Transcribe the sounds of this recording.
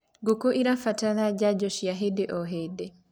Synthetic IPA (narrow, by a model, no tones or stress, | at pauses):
ɡokoʔiɾafataðad͡ʒad͡ʒɔʃijaɦedɛʔɔɦedɛ